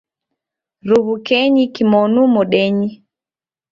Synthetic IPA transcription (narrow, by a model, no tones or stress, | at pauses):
ɾuβukɛɲikimɔnumoɗeɲi